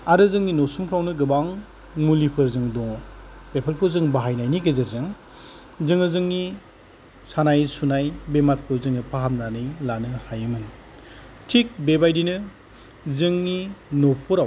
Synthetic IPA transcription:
aɾɯzɯŋninɔsumkʰɾawnɯɡɯbaŋ | mulipʰɯɾzɯŋdɔŋpepʰelkʰɯzɯŋbaɦajnajniɡezɯɾzɯŋ | zɯŋɯzɯŋni | sanajsunajbemat̚pʰuɾzɯŋɯpʰaɦamnanɯjlanɯhajɯmɯn | tʰik̚bebajdinɯ | zɯŋninopʰuɾaw

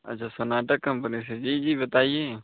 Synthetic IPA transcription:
ɐ̰t͡ʃʰaːsonaːʈəkːɐ̃mpənis̬ed͡ʒiːd͡ʒiːbət̪aːieː

